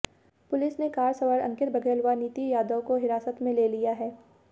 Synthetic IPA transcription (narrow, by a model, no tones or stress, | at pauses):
pʊlɪsnekaːɾsɐʋəɾɐ̰̃ŋkɪɾbʱɐɡʱelʋaniːt̪ijaːd̪ə̃koɦɪɾaːsət̪mẽleːlijaɦɛː